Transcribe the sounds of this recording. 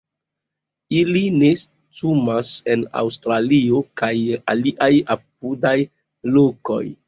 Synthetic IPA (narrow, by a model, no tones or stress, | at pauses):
iline̞s | tumase̞na̰wstɾalio̞kaja̰liʔajap̚udaj | lo̞ko̞̰j